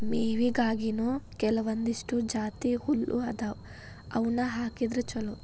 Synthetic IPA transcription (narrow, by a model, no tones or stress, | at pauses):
meːʋiɡaːɡinoːkɛlɐʋɐnd̪iʂʈud͡ʒaːt̪ihulːʔṵɐd̪aw | ɐwunɐɦaːkid̪ɾɐt͡ʃɐlu